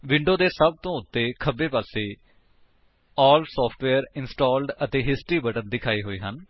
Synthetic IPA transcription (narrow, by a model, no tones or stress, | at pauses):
ʋɪ̃ɳɖoːd̪eːsəb̚t̪õːʊt̪ːeːkʰəbeːpaːseː | ɔːlsɔːpʰʈʋɛːɾɪnsʈɔːlɖət̪eːɦɪsʈɾiːbəʈənd̪ɪkʰaːiːɦoːiːɦən